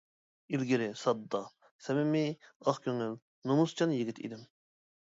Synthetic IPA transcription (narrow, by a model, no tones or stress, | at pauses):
ilɡʲiɾɪsɑd̪ːɑ | sɛmɪmɪɑχkʲʰøŋyl | nomust͡ʃʰɑnjiɡʲit̪ʰḭd̪ɪm